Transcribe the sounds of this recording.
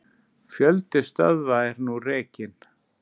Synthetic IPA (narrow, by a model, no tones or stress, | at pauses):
fjœlt̪ɪst̪œ̰ðvaɛɾnurɛːcɪn